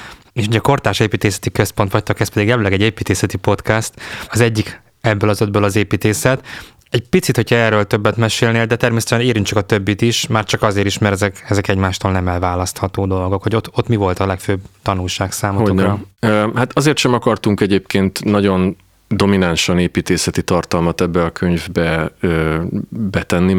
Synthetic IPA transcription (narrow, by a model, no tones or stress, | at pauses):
eːʃuɟɛko̞rt̪aːʃeːpiːt̪eːsɛ̥t̪ikøspo̞nt̪ʋɒc̚t̪ɒkɛspɛd̪iɡjɛlɛlːɛɡɛɟeːpiːt̪eːsɛt̪ipo̞t̪kɛst̪ɒzɛɟːik | ɛbːøːlɒzød̪bøːlɒzeːpiːt̪eːsɛt̪ | ɛɟpit̪sit̪ho̞cʰɒɛːrːøːlt̪øbːɛt̪mɛʃeːlneːld̪ɛt̪ɛrmeːsɛt̪ɛʃɛneːɾyŋkt͡ʃɒkɒt̪øbːit̪iʃmaːrt͡ʃɒkɒzeːɾiʃmɛɾɛzɛkɛzɛkɛɟmaːʃt̪oːlnɛmɛlvaːlɒst̪hɒt̪oːd̪o̞lɡo̞kho̞ɟot̪ot̪mivo̞lt̪ɒlɛkføːbt̪ɒnulʃaːksaːmoookɒøhat̪ɒzeːrt̪ʃɛmɒkɒrt̪uŋkɛɟeːpkeːnt̪nɒɟo̞n | d̪o̞minanʃɒneːpiːt̪eːsɛt̪it̪ɒrt̪ɒlmɒt̪ɛbːɛɒkʰøɲvbɛøːbɛt̪ɛnːi